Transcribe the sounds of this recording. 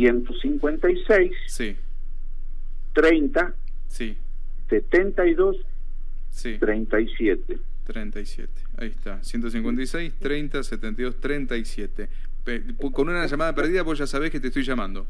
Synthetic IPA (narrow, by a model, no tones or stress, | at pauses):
jent̪osiŋkwent̪ajsejssi | t̪ɾejnt̪a | si | set̪ent̪ajðos | sit̪ɾejnt̪ajsjet̪e | t̪ɾent̪ajsjḛt̪e̥a̰ieht̪asjent̪os̬iŋkwe̞nt̪ajsejst̪ɾejnt̪aset̪ent̪ajðost̪ɾent̪aisjet̪e | pe | konunaʒamaðapeɾð̞iðaβozʒasaβehket̪est̪ojʒamãnd̪o